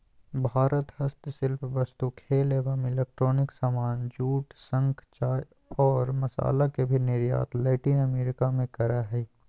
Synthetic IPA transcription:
bʱaːɾət̪ɦɐst̪sɪlpʰʋɐst̪ukʰeːlebamɪleːk̚ʈɾoːnɪksaːmaːnd͡ʒuːʈsə̃ŋkʰt͡ʃaːj | ɔːɾmɐsa̰ːlakebʱinɪɾja̰ːt̪lɛːʈiːnɐmeːɾɪkamẽkɐɾaɦɛ

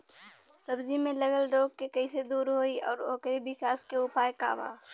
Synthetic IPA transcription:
sɐbzimẽləɡəlɾoːɡ̚kekɐised̪uːɾɦoːiɔːɾoːkɾibɪkaːskeʊpaːjeka̰ːʋa̰ː

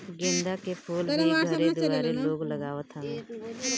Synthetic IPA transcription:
ɡẽːnd̪akepʰuːlmẽɡʱəɾed̪ʊɡaːɾeloːɡləɡaːʋət̪ʰə̃nː

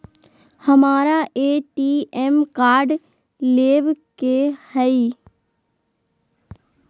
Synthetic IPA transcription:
hɐmaːɾaʔeːʈiːɛmkaːɾɖ | leːʋkehɛi

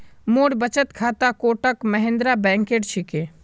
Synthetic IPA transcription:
moːɽbət͡ʃət̪kʰaːt̪akoːʈəkməɦẽnd̪ɾabɛ̃ːŋkeːʈt͡ʃʰike

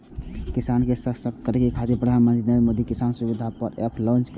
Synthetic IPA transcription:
kisankesəsəkkəɾekekʰad̪ipɾəd̪ʱanmənt̪ɾid̪əmod̪ikisansubid̪ʱapəɾepʰlɔ̃nt͡ʃk

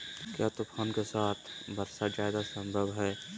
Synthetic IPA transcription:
kjaːt̪opʰaːnkesaːt̪ʰbɐɾsad͡ʒaːɪd̪asə̃mbʱəbɦɛː

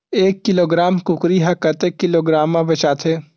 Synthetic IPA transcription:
eːkːɪloːɡɾaːmkʊkɾiɦɐkɐt̪eːkːɪloːɡɾaːmːãbɐt͡ʃaːt̪ʰeː

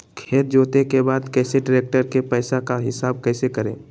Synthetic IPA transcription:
kʰeːɾ̚d͡ʒoːt̪ekebaːd̪kɛːseɖɪɾeːk̚ʈəɾkepɛːsakaɦɪsaːb̚kɛːsekəɾḛ̃ː

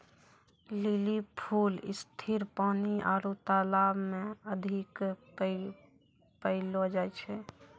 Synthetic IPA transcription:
lilipʰuːlɪ̰st̪ʰiɾpaːniʔaːɾot̪aːlaːbmẽəd̪ʱɪk | pəɪlod͡ʒaːɛt͡ʃʰɛ

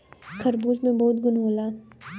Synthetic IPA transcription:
kʰɐɾbuːd͡ʒmẽbɐɦʊt̪̚ɡʊnɦoːlaːn

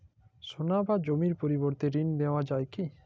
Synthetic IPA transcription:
sonabad͡ʒomiɾpoɾiboɾt̪eɾind̪ewad͡ʒaeki

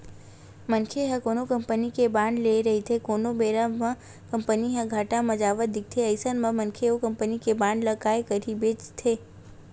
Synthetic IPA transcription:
mənkʰeɦɐ̃koːnokɐ̃mpənikebãːɳɖleɾɐɦit̪ʰekoːnobeːɾamə̃ | kɐ̃mpəniɦɐ̃ɡʱaːʈamɐd͡ʒaːʋət̪̚d̪ɪk̚t̪ʰeɐɪsənmɐ̃mɐ̃nkʰeokɐ̃mpənikebãːɳɖlɐkaːekəɾibeːt͡ʃt̪ʰeː

